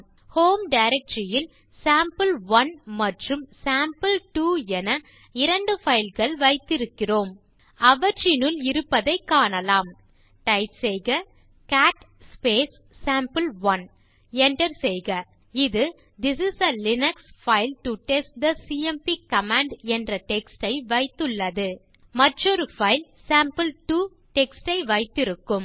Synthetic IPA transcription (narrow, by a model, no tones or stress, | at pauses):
hoːmɖɐɪɾɛk̚ʈɾɪjɪl | saːmpɨlʋɐnmɐʈrɯmsaːmpɐlʈuːɛnɐ | ɪɾɐɳɖɯfɐɪlɣɐɭʋɐɪt̪ːɪɾɯkːɪroːm | ɐʋɐt͡ʃɪnɯlɪɾɯpːɐðɐɪkːaːɳɐlaːm | ʈɐɪpsɛjɣɐ | kaːʈ | speːsː | aːmpɐlʋɐn | ɛnʈɐɾsɛjɣɐ | ɪðɯ | d̪ɪsɪsɐlɪnɐksfɐɪlʈuʈɛsʈ̚d̪ɐsiːɛmpikɐmaːɳɖɛndrɐʈɛksʈɐɪʋɐɪt̪ːɯɭːɐðɯ | mɐʈrɔɾɯfɐɪlsaːmpɐlʈuː | ʈɛksʈɐɪʋɐɪt̪ːɪɾɯkːɯm